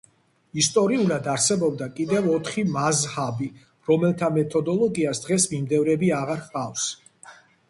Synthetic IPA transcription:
ist̪ʼɔɾiulad̪aɾsɛbɔbd̪akʼid̪ɛvɔt̪ʰχimazhabi | ɾɔmɛlˠt̪ʰamɛt̪ʰɔd̪ɔlˠɔɡiasd̪ʁɛsmimd̪ɛvɾɛbiaʁaɾχqʼafs

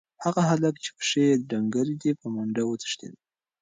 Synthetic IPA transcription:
haɣaɦalakt͡ʃe̥pə̥ʂejd̪daŋɡaɾid̪epəmaɳdawət͡s̪ə̥ʂt̪ḛd̪

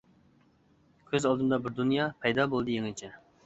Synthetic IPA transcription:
kʲʰøzɑlˠd̪ɨmd̪ɑbɪɾd̪unjɑpʰɛjd̪ɑbolˠɨd̪ɨjeŋt͡ʃʰɛ

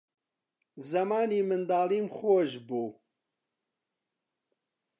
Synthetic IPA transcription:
zɐmaːniːmɨnd̪aːliːmχoːʒbuː

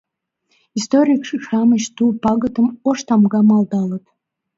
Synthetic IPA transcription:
ist̪oɾʲikʂiʂɑməɕt̪upɑɡə̆t̪əmoʂt̪ɑmɡɑmɑlˠd̪ɑlət̪

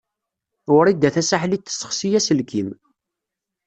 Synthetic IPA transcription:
ʊɾid̪ːæθæsaħlit̪ːə̥sə̥χsijæsəlkim

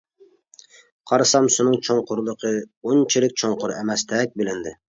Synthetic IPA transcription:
qʰɑɾsɑmsunɨŋt͡ʃʰoɴqʰʊɾlˠəqʰəunt͡ʃʰilɪk̚ʲt͡ʃʰoɴqʊɾemɛst̪ʰɛk̚ʲbɪlɪnd̪ɪ

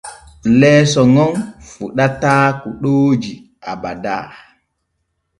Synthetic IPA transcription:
lɛːsɔŋɔnfuɗataːkuɗoːd͡ʒi | ʔaba̰da̰ː

